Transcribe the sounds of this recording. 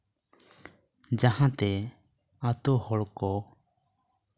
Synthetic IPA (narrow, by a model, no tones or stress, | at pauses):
d͡ʒahãt̪ɛ | at̪ɔhɔɽkɔ